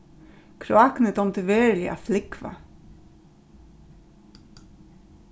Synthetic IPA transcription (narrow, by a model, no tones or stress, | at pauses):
kʰɾʊɑknət̪ɔmt̪ʰəʋeːɹəlɪʔɑ̰ːflɪkʋɑ̰